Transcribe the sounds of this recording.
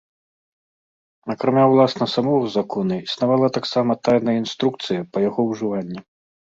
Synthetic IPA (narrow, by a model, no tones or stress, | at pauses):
ɐkɾamʲawlˠasnɐsamɔzakʰɔnɐisnavalˠɐt̪aksamɐt̪ajnɐjəinst̪ɾuk̚t̪sɨjɐpɐjaɣɔwʐɨvanʲːi